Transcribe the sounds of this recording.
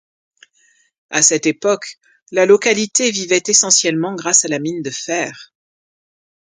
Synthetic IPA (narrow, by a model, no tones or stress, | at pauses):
asɛt̪epɔk | lalɔkalit̪evivɛt̪esɑ̃sjɛlmɑ̃ɡʁasalamind̪əfɛːʁ